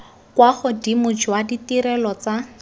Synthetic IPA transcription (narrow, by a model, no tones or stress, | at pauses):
kwaχʊdimʊd͡ʒwaditiɾɛlɔt͡sa